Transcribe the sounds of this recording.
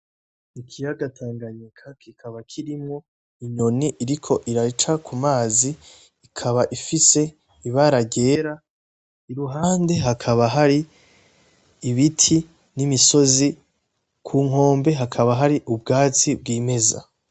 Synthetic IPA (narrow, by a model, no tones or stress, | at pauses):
nikʰijaɡatʰaːŋɡaɲekʰakikʰaβakʰiɾimŋo̞ | iɲo̞niʔiɾikʰo̞ʔiɾat͡ʃakʰumaːziː | kʰaβaʔifise̞ | iβaɾaɡe̞ːɾa | iɾuɦaːnde̞ɦakʰaβaɦaɾi | βitʰi | nimiso̞zi | kʰuːŋ̥o̞ːmbe̞ɦakʰaβaɦaɾiʔubɡaːt͡sibɡiːme̞za̰